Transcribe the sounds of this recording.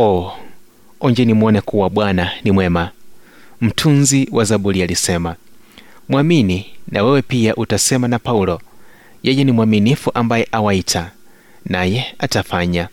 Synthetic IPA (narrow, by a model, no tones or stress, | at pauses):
ɔ | ɔɲd͡ʒɛnimuɔnɛkuwaɓwananimwɛma | m̩tʰunziwʔazaɓulialisɛma | mwamininʔawɛwɛpiaʔutasɛmanapaulɔ | jɛjɛnimwaminifuʔambajɛʔawaitʰa | najɛatafaɲa